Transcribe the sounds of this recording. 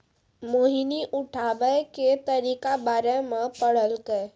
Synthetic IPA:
moːɦiniʔʊʈʰaːʋəket̪ɐɾiːkabaːɾemẽpəɽ̤əlɡəe

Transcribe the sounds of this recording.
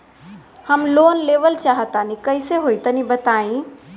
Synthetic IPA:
həmloːnleːʋəlt͡ʃaːɦət̪anikəɪseɦoːit̪ənibət̪aːĩ

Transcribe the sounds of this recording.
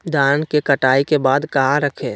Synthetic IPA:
d̪aːnkekɐʈaːikebaːd̪kɐɦaɾəkʰeː

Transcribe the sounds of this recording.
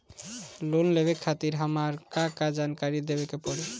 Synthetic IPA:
lunlebekʰat̪iɾɦamaɾkãkad͡ʒankaɾid̪ebekepɔɽe

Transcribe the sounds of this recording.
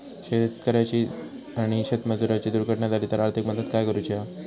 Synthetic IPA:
ɕet̪kəɾat͡ɕiː | aɽ̃iɕet̪məd͡z̪uɾat͡ɕiːd̪uɾɡʱəʈɳjad̪aɾiːt̪əɾaɾt̪ʰikməd̪əd̪kajkəɾut͡ɕia

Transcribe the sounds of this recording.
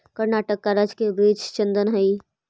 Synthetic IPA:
kəɾnaːʈəkːaɾəd͡ʒkebiːt͡ʃt͡ʃənd̪ənɦəi

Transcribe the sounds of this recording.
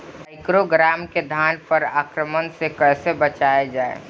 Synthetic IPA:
aɪkɾoɡɾaːmked̪ʱaːnpəɾaːkɾəmənsekəɦsebət͡ʃaːed͡ʒaːḛ

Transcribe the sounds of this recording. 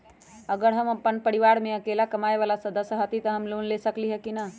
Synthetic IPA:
əɡəɾɦəməpːənpəɾiʋaɾmeəkelakəmaeβalasəd̪əsjɦət̪it̪əɦəmlonlesəkliɦɛkina

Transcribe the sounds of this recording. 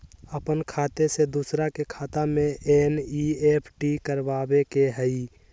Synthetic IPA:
əpənkʰaːt̪esed̪usɾakekʰaːt̪amẽʔeːnieːpʰʈikəɾʋaːbekeɦəi

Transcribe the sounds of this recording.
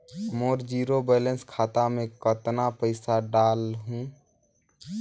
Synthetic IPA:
moːɾd͡ʒiːɾobɛːlə̃nskʰaːt̪amẽkət̪napəɪsaɖaːlɦũː

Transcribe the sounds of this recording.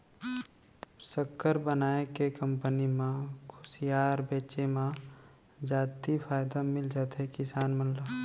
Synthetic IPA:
səkːəɾbənaːjekekə̃mpənimãkʰʊ̥sijaːɾbeːt͡ʃemã | d͡ʒaːt̪ifʰaːjd̪amɪld͡ʒaːt̪ekɪsaːnmənla

